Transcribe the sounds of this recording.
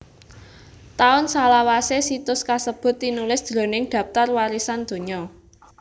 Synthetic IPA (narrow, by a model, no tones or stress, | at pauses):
t̪aʊnsalawasesit̪ʊskasəb̥ʊ̤t̪ːinulɪsd̪̥ɾo̤nɪŋɖ̪̥ä̤p̚t̪arwaɾisand̪̥o̤ɲɔ